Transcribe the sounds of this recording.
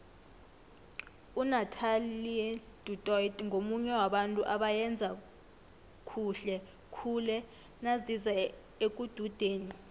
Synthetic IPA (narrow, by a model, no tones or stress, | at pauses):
unatʰali | d̥ʱutʼɔitʼŋʱomuɲɛwaɓantʼṵʔaɓajɛnd͡zʱa | kʰuɬɛ | kʰulɛ | naziza | ek̬ʼud̥ʱud̥ʱeːni